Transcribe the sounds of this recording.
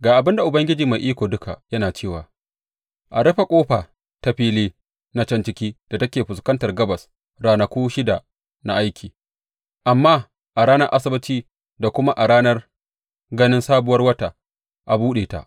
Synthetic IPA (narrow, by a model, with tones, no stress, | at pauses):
ɡaː˨ʔa˨bɪ˦nda˨ʔʊ˨bɐ˦ŋɡʲɪ˦d͡ʒiː˨ma˨jʔiː˦kʷoː˨dʊ˦kʰa̰˨jɐ˦naː˨t͡ʃeː˦˨waː˨ | ʔa˨ɽɐ˦ɸa˨kʷʼoː˦ɸaː˨ | ta˦ɸiː˦leː˦ | na˦t͡ʃɐ˦nt͡ʃɪ˦kʲiː˦d̥a˨tɐ˦kʲeː˨ɸʊ˨skɐ˦ntɐ˨rɡɐ˦bɐ˨s | ɽaː˦nɐ˨kʷoː˦ʃɪ˦da˨ | na̰˦˨ʔa˦jkʲʰiː˨ | ʔa˨mːaː˦ | ʔa˨ɾaː˦nɐ˦rʔa˦sɪ˦bɪ˦t͡ʃiː˦ | da˨kʷʊ˦ma˦ʔa˨ɾaː˦nɐ˦r | ɡɐ˦nɪ˦nsaː˦bʊ˦wɐ˦rwɐ˦ta˨ | ʔa˨buː˦ɗeː˨ta̰˨ʔ